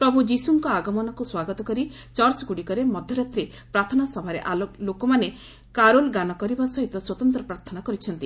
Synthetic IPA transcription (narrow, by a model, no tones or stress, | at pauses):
pɾɔbʱud͡ʒisuŋkɔaɡɔmɔnɔkuswaɡɔt̪ɔkɔɾit͡ʃɔɾsɡuɽikɔɾemɔd̪ʱjɔɾat̪ɾe | pɾaɾt̪ʰɔnasɔbʱaɾeʔallokɔmane | kaɾolɡanɔkɔɾibasɔɦit̪ɔswɔt̪ɔnt̪ɾɔpɾaɾt̪ʰɔnakɔɾit͡ʃʰɔnt̪i